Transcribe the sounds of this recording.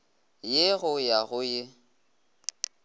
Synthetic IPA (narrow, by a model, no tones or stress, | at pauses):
jeɣʊjaɣʊjɪ